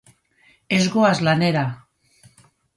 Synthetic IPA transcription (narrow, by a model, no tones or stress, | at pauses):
ezɣoazlaneɾa